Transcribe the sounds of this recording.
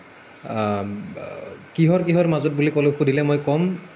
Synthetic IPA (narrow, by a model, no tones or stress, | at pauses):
kiɦɔɹkiɦɔɹmazɔt̚bulikɔloxʰudilɛmɔjkɔm